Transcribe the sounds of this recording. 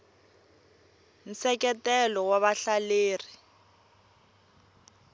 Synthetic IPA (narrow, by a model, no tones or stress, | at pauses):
n̩sɛkɛtɛlɔwaβaɬaleːri